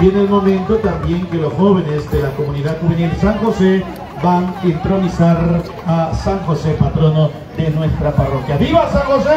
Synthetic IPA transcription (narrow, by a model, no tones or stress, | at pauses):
bjenelmo̞mẽnt̪o̞t̪ambje̞ŋke̞losxo̞βe̞ne̞sd̪e̞lako̞mũniðaðxuβenilsaŋxo̞se̞ | banint̪ɾo̞nisaɾ | asaŋxo̞se̞pat̪ɾo̞no̞ | ðe̞nwe̞st̪ɾaparo̞kjaβiβasaŋxo̞se